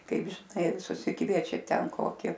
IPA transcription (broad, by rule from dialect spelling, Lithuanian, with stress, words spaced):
ˈkɐɪp ʒʲɪˈnɐɪ sʊsʲɪˈkʋʲiɛt͡ʃʲɛ ˈtʲɛn ˈkoːkʲɪ